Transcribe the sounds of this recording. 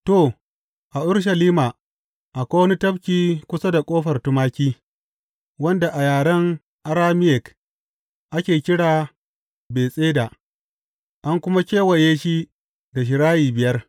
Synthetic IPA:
to˦˨ | ʔa˨ʔʊ˦ɽʃ̬a˨liː˦maː˨ | ʔa˨kʷoː˦wɐ˦ni˦tɐ˦ɸkʲiː˦kʷʊ˦sa˦da˨kʷʼoː˦ɸɐ˨rtʊ˦maː˦kʲiː˦ | wɐ˦nda˨ʔa˨jaː˨ɽɐ˦ŋ | ʔa˦ɾaː˦mɪ˦jɛ˨k | ʔa˦kʲeː˨kʲɪ˦ɽaː˨ | beː˨sʼeː˦da˨ | ʔa˦ŋkʷʊ˦ma˦kʲeː˦wɐ˨jeː˦ʃi˦ | da˨ʃ̬ɪ˨ɽaː˦jiː˨bɪ˨jɐ˦r

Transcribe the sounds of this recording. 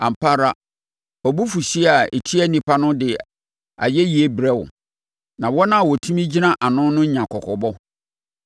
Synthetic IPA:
ã˨m̩˨pʰa˦ɾa˦ | ɔ˨bu˦fu˨si˦a˨e˨tʰi˦ɛ˦nĩ˨pʰa˦nʊ̃˦dɪ˨ | a̰˨jɛ˦ji˨e˦bɾɛ˦wʊ̰˨ | nã˨wɔ˦nã˦˨wɔ˨tʰũ˦mĩ˦d͡ʑi˦nã˦ʔa˨nʊ̃˦nʊ̃˦ɲã˨kʰɔ˨kʰɔ˨bɔ˦

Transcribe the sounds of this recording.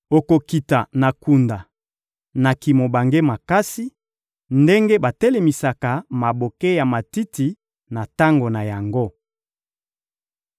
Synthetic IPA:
o˨ko˨ki˨ta˨na˨ku˨nda˨ | na˨ki˨mo˨ba˨ŋɡe˦ma˨ka˦si˦ | nde˦ŋɡe˦ba˨te˦le˨mi˨sa˨ka˨ma˨bo˨ke˦ja˨ma˨ti˦ti˨ | na˨ta˦ŋɡo˨na˨ja˨ŋɡo˦

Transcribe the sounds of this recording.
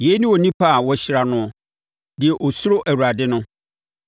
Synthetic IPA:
je˨˦nĩ˦wɔ˨nĩ˦pʰa˦a˨wɔ˦ɕɪ˦ɾa˨nʊ̃˦˨ | dɪ˨ɛ˨ʔɔ˨sʊ˦ɾʊ˦ʔæ˨wu˨ɾa˨dɪ˦nʊ̃˦

